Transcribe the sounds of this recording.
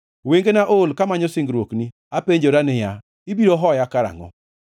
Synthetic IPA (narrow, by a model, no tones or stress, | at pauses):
weŋɡenaʔolkamaɲɔsɪŋɡɾwokni | apeɲd͡ʒoɾanɪja | ibiɾoɦɔjakaɾa̰ŋɔ̰